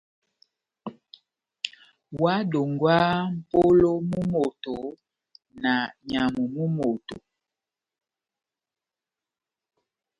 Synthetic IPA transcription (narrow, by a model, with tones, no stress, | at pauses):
wa˦do˨ŋɡwa˦m̩˦˨po˦lo˦mu˦mo˨to˨ | na˨ɲa˨mu˨mu˦mo˨to˨